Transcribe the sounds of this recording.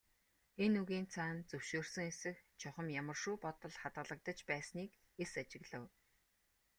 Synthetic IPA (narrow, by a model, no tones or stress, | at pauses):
enɵɣiːnt͡sʰaːnt͡sɵwʃoːrsɵ̆ŋesɘ̆xt͡ɕʰɔχə̆mjamə̆rʃuːpɔt̪ɞ̆ɮχat̪ɢə̆ɮə̆k̚t̪ə̆t͡ɕpæːsniːk | esat͡ɕɪ̆ɣɮə̆w